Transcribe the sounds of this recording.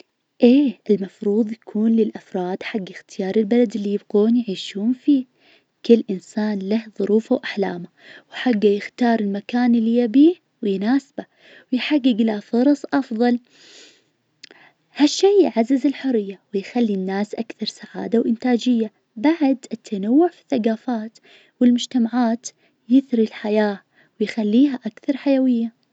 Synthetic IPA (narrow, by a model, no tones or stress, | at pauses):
ʔeːʔɪlmɑfɾˤuːðˤjakʰuːnlɪlʔafɾˤɑːd̪ħaɡːɪxt̪ʰɪjɑːɾˤɪlbalad̪ɪlːijɪbɡoːnjʕiːʃuːnfiː | kɪlːʔɪnsaːnlahðˤʊɾuːfawʔaħlaːma | wħaɡːajɪxt̪ɑːɾˤɪlmakaːnʔɪlːijabiː | wjnaːsba | wjħaɡːɪɡlafʊɾˤɑsˤʔɑfðˤɑl | haʃːiːʕazːɪzɪlħʊrːɪjːawɪjxalːinːaːsʔakθɑɾˤsaʕa̰ːd̪awʔɪnt̪aːd͡ʒɪjːa | baʕd̪ɪt̪ʰːanawːʊʕfi̥θːaɡaːfaːt̪ | wɪlmʊd͡ʒt̪amaʕaːt̪ | jɪθɾilħajaː | wɪjxalːiːɦaʔakθɑɾˤħajawɪjːa